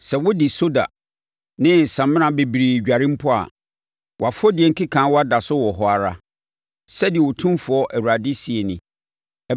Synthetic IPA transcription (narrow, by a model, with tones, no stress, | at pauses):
sɛ˨wʊ˦dɪ˨so˦da̰˨ | nɪ̃˦n̩˨sã˨mɪ̃˦nã˨be˨bi˨ɾi˨d͡ʑᶣa˨ɾɪ̃˦m̩˦pʰʊ˦a̰˨ | wɔ˨a˨fɔ˦dɪ˨ɛ˨ŋ̩˦kʰɪ˦kʰã˨˦wɔ˦a˦da˨sʊ˦wɔ˨ɦɔ˨a˨ɾa˦ | sɛ˦dɪ˨ɛ˨wʊ˨tʰũ˦mfʊ˨ɔ˦ʔæ˨wu˨ɾa˨dɪ˦si˨e˨nɪ̃˦˨